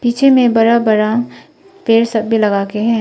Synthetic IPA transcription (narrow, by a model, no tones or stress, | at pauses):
piːt͡ʃʰemẽbɐɾabɐɾa | peːɾsɐb̚ːilɐɡaːkeɦɛ̃ː